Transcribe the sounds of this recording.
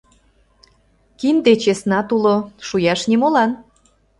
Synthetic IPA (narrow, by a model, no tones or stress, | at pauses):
kind̪et͡ɕesnɑt̪uloʃujɑʃnimolɑn